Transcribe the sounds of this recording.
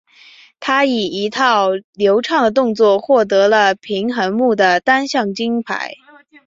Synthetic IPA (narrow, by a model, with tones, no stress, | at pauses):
t̪ʰa˥i˨˩i˧˥t̪ʰɑ˥˩ʊljo˧˥ʊʈ͡ʂʰɑ˥˩ŋd̪ə˩t̪ʊ˥˧ŋt͡swɔ˥˩xwɔ˥˩t̪̬ɤ˧˥lə˧pʰi˧˥ŋxə˧˥ŋmu˥˩d̪ə˩t̪a˥nɕjɑ˥˩ŋt͡ɕi˥ŋpʰa̰˧˥ɪ